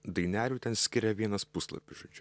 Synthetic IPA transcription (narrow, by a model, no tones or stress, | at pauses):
d̪ɐɪnʲæːlʲuːt̪ʲɛnsʲkʲɪɾʲɛʋʲiɛnɐspʊslˠɐ̰pʲɪsʒoːd͡ʒʲʊ